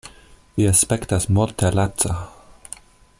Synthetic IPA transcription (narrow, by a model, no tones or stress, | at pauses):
viaspektasmult̪ʰelatt͡sa